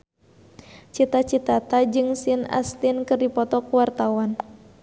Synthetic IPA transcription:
t͡ʃit̪at͡ʃit̪at̪ad͡ʒɨŋsina̰st̪inkɨrdipɔt̪ɔkuwart̪awan

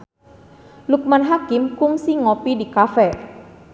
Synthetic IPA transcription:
luk̚manɦakimkuŋsiŋɔpidikafɛ

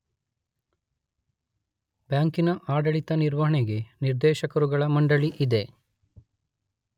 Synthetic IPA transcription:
bjaːŋkinɐʔaːɖɐɭit̪ɐniɾʋɐɦɐɳeɡe̞niɾd̪ɛːʃɐkɐɾuɡɐɭɐmɐɳɖɐɭiʔid̪e̞

